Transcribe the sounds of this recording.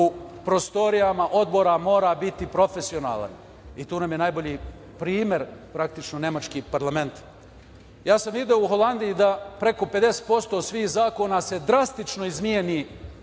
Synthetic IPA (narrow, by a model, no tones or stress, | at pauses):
upɾo̞st̪o̞ɾijamaʔo̞d̪bo̞ɾamo̞ːɾabit̪ipɾo̞fe̞sio̞na̰ːla̰n | it̪uːnamjenaːjbo̞ʎiː | pɾiːmʲje̞ɾpɾak̚t̪it͡ʃnone̞mat͡ʃkiːpaɾlˠame̞nt̪ | jaːsamid̪eouxo̞lˠand̪ijid̪apɾe̞ko̞pe̞d̪e̞se̥t̪̚po̞st̪o̞ːsʋiːxzaːko̞ːnase̞d̪ɾast̪it͡ʃno̞izmieni